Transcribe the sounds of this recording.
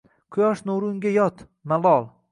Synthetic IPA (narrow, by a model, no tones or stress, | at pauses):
qʰʊjɒʃnʊʊɾʊŋɡʲajɒt̪ | malˠɒlˠ